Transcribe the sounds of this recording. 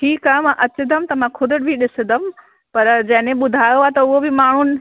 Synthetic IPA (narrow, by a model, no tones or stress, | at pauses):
ʈʰiːkaːjomãʔɐt͡ɕɪd̪əmt̪ɐmãkʰʊd̪ʱʊɽbʱiɗɪsd̪əm | pɐɾd͡ʑɐ̃ɦnẽɓʊd̪ʱaːjoaet̪ɐʊɦobʱɪmaːɳ̤ʊnɪ̆